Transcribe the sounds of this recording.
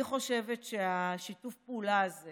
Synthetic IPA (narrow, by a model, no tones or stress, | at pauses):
iχo̞ʃe̞vetʃeaʃitufpulaːze